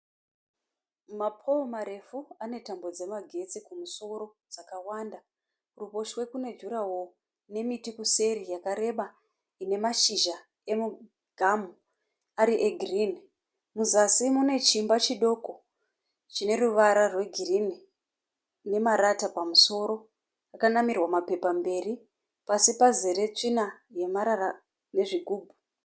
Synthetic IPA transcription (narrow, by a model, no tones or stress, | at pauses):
mapʰomaɾe̞fuane̞tambo̞d͡ze̞maɡʱe̞t͡sikumuso̞ɾo̞ | d͡zakawanda | rupo̞ʃwe̞kune̞d͡ʒuɾawo | ne̞mitikuse̞ɾijakaɾe̞ɓa | ine̞maʃiʒa | e̞mu | ɡ̥ʱamu | aɾiʔeɡʱirini | muzasimune̞t͡ʃimbat͡ʃiɗo̞ko̞ | t͡ʃine̞ɾuʋaɾarwe̞ɡʱirini | ne̞maɾatapamuso̞ɾo̞ | akanamirwamape̞pambe̞ri | pasipazeɾe̞t͡ʂinaje̞maɾara | ne̞ʐiɡʱuːbʱu̥